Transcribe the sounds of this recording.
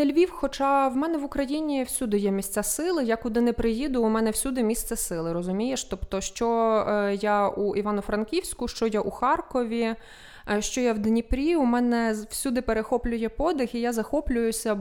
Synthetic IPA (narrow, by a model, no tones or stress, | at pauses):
nɛlʲʋʲiwxɔt͡ʃɑwmɛnɛʋʊkɾɐjinʲiwsʲud̪ɪjɛmʲisʲtʲt͡sʲasɪlˠɪjakʊd̪ɪnɛpɾɪjid̪ʊːmɛnɛwsʲud̪ɪmʲist̪sɛsɪlˠɪɾɔzʊmʲijeʃt̪ɔpt̪ɔʃt͡ʃɔjauiʋɑnʊfɾɐnkʲiwsʲkʊʃt͡ʃɔjaʔuxɑrkɔʋʲi | ʃt͡ʃɔjawd̪nʲipɾʲiʊmɛnɛwsʲud̪ɪpeɾexɔplʲʊjɛpɔd̪ɪxijazɐxɔplʲʊjʊsʲɐ